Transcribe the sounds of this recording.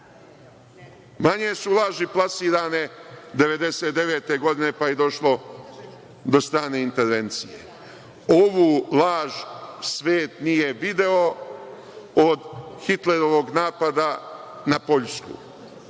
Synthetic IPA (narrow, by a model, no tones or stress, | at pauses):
maɲe̞sulˠaːʒiplˠasiːɾaːned̪e̞ʋe̞d̪e̞seːt̪d̪e̞ʋeːt̪e̞ɡo̞d̪ine̞pajed̪o̞ʃlo̞ | d̪o̞st̪ɾaːne̞int̪e̞ɾʋe̞nt̪sije | oʋuːlaːʒsʋeːt̪nije̞ʋid̪e̞o̞ | od̪xit̪leɾo̞ʋo̞ɡnaːpad̪a | napo̞ʎskṵ